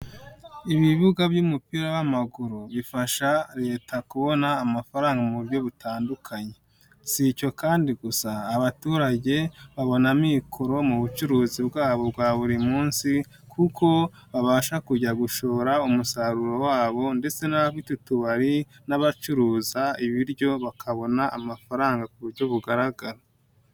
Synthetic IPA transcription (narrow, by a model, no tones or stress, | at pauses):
iβiβuɡabjuːmupiɾaβamaɡuɾuβifaʃaɾe̞ːtʰakuβo̞naːmafaɾaːŋɡamubjo̞βutaːndukʰaɲe̞ | sico̞kaːndiɡusaːβatuːɾaɟe̞βaβo̞namiːkʰo̞ɾo̞muβut͡ʃuɾuːzibɡaːβo̞bɡwaːβuɾimuːnsi | kʰukʰo̞ | βaβaːʃakuɟaɡuʃo̞ːɾaumusaɾuɾo̞waːβo̞nde̞t͡se̞naβitutuβaɾi | naβat͡ʃuɾuːzaiβiɾɟo̞βakʰaβo̞naʔamafaɾaːŋɡakuβuɾɟo̞βuɡaɾaɡaɾo